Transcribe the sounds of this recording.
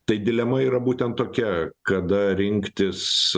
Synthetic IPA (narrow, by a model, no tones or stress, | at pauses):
t̪ɐɪd̪ʲɪlʲɛmɐiːɾɐbuːt̪ʲɛnt̪tːoːkʲɛkɐd̪ɐɾʲɪŋʲkt̪ʲɪs